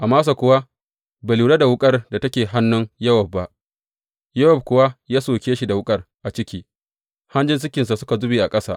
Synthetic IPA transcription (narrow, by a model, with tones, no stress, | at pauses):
ʔa˨maː˦s̬a˨kʷʊ˦wa˦ | be˨luː˨ɽa˦da˨wʊ˦kʼɐ˦rda˨tɐ˦kʲeː˨ɦa˦nːʊ˦ŋjɐ˦wɐ˨b̚ːa˨ʔ | jɐ˦wɐ˨b̚kʷʊ˨wa˦jaː˦soː˨kʲeː˦ʃi˨da˨wʊ˦kʼɐ˦rʔa˨t͡ʃɪ˦kʲiː˦ | ha˦nd͡ʒɪ˦ns̬ʊ˦kʲɪ˨ns̬a˨sʊ˦ka˨zʊ˦biː˨ʔa˨kʼɐ˦sa̰ː˦ʔ